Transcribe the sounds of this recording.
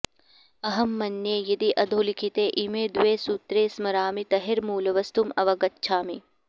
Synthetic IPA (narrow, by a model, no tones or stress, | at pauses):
ɐɦɐmːɐnːjeːjɐd̪iʔɐd̪ʱoːlikʰit̪eːʔimeːd̪ʋeːsuːt̪ɾeːsmɐɾaːmit̪ɐɦeɾmuːlɐʋɐst̪umɐʋɐɡɐtːʃʰaːmi